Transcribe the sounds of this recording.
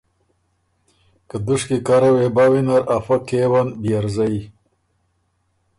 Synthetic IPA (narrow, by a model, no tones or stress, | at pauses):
kəd̪uʂkikaɾawebawinaɾafakewanbijaɾzaj